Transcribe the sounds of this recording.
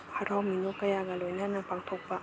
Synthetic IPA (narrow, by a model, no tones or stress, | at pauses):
hɐɾawminukɐjaɡɐlojnɐnɐpaŋtʰok̚pɐ